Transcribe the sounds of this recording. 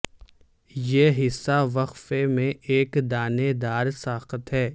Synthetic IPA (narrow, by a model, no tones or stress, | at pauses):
jeɦɪsːaʋɐqfemẽʔeːkd̪aːned̪aːɾsaːxət̪ɦɛː